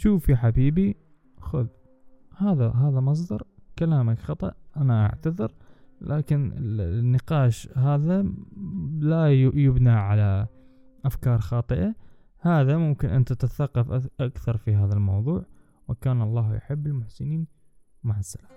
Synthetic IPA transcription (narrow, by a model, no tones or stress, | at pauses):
ʃuːfjaħabiːbi | xʊð | haːðaɦaːðamɑs̬ˤd̪ɑɾˤkalaːmakxɑt̪ˤɑʔʔanaʔa̰ʕt̪aðɪɾlʔaːkɪnɪ̰nːɪqɑːʃɦaːða | lajjʊbnaʕala | ʔafkɑːɾˤxɑːt̪ˤɨʔa | haːðamʊmkɪnʔɪ̰nt̪at̪at̪aθaqːɑfʔaʔakθɑɾˤfiɦaːðalmɑwðˤuːʕ | wɪkaːnɑlˤːɑːhjʊ̰ħɪbːɪlmʊħsɪniːn | mʊʕasːalḁ